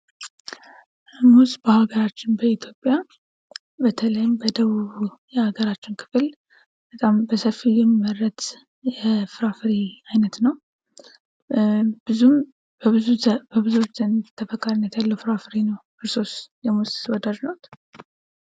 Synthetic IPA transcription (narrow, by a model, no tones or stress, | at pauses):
musbəhaɡəɾat͡ʃːɪnbəit̪ʰjo̞pʼːja | bət̪ʰələjɪmbəd̪əβuβujɛhaɡəɾat͡ʃːɪnkʰɨ̥fɨl | b̥ət̪ʼambəsəfːijɛmːəɾət̪ | jɛfɨɾafɨɾiajnət̪nəw | b̥ɨzum | bɨzubəbɨzuwot͡ʃːz̥ənt̪ʰːəfəkʰːaɾinːət̪jalːəwfɨɾafɨɾinəw | ɨɾso̞sjɛmuswɔd̪ad͡ʒnowt̪